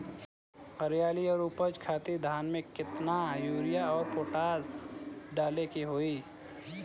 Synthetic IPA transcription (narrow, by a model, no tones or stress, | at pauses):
əɾjaːliɔːɾuːpəd͡ʒkʰaːt̪id̪ʱaːnmẽkɪt̪najuːɾɪjaɔːɾpoːʈaːsɖaːlekiɦoːiː